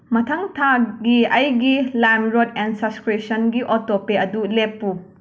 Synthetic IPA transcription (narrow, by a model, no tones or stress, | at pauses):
mɐtʰɐŋtʰaɡiɐjɡilamɾodensɐskɾesɐnɡiʔotopeɐdulepːu